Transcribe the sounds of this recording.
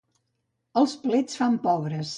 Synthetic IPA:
əlˠsplet͡sfampɔβɾəs

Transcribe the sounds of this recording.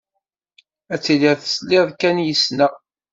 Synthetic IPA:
æt͡sːiliðθə̥slɪðˤkænjəsnæ

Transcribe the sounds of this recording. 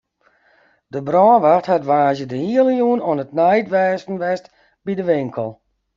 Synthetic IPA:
dəbrɔːʋaxthatʋaːzjədəhiələjuənɔnət̚nɛjtʋɛːsn̩ʋɛst | bidəʋɪŋkʰəlˠ

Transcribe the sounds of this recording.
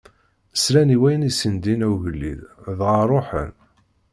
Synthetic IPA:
əsɾæniwæjənisənd̪inæwʝəlːḭððʁərˤoħə̰n

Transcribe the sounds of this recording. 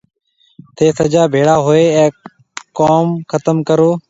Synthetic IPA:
t̪ʰeːsəd͡ʒaːbʱeːɽaːɦoːeːɛ̃ː | koːmkʰət̪əmkəɾoː

